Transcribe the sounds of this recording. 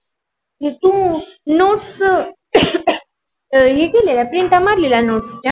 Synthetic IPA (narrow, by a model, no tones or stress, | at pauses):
t̪ũnoʈs | ɦekelelapɾint̪ɐmaɾlilanoʈst͡ɕa